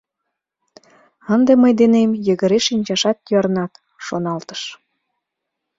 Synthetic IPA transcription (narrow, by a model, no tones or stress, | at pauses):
ənd̪eməjd̪enemjə̆ɣə̆ɾeʃinʲt͡ɕɑʃɑt̪̚jɑɾnɑt̪ | ʃonɑlt̪ə̥ʃ